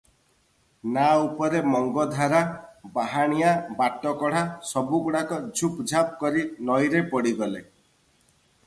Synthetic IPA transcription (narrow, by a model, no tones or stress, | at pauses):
naupɔɾemɔŋɡɔd̪ʱaɾabaɦaɽ̃ijabaʈːɔkɔɽ̤asɔbukuɽakɔd͡ʒʱupd͡ʒʱap̚kɔɾinɔjɾepɔɽiɡɔle